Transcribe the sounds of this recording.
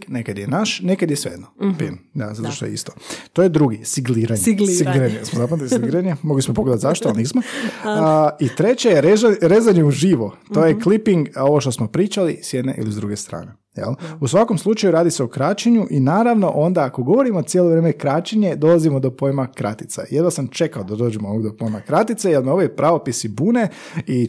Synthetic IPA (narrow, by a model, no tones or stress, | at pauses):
nekad̪jenaʃnekad̪jesʋḛed̪nopḭnd̪a̰zat̪oʃt̪ojḛḭst̪o̥t̪ojed̪ɾuɡisiɡliːɾaɲeɡsiɡiɾaɲesmozapant̪t̪isiɡiɾaɲemoɡlismopoɡle̞at̪zaʃt̪oalniːsmo | it̪ɾe̞t͡ɕejeɾezaɾezaɲeuʒiʋot̪ojeklipiŋɡo̞ʋoʃt̪osmopɾiːt͡ʃalisjed̪nḛʔḭlizd̪ɾuɡest̪ɾa̰ːne | jḛlusʋakomslˠut͡ʃajuɾaːd̪iseokɾaːt͡ʃeɲuʔinaːɾaʋno̞ʔo̞nd̪aːko̞ɡo̞ʋo̞ɾimot̪sjeloʋɾeːmekɾaːt͡ʃeɲe̞d̪o̞lazimod̪o̞po̞jmakɾa̰t̪i̥t̪sa̰jed̪ʋasamt͡ʃe̞kaod̪ad̪o̞ːd͡ʒemoooɡd̪opo̞jmakɾat̪it̪sejelˠnaoʋojpɾʔaʋopisibuːnei